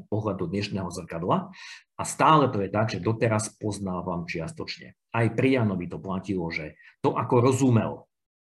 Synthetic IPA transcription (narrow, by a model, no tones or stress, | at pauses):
pɔɦlad̪ɔd̪ɲɛʃnɛːɦɔzr̩kad̪laʔast̪aːlɛt̪ɔjɛt̪aɡʒɛd̪ɔt̪ɛɾaspɔznaːʋaːmt͡ʃɪast̪ɔt͡ʃɲɛ̰ | ajpɾijanɔʋit̪ɔplacilɔʒɛt̪ɔʔakɔɾɔzumɛ̰l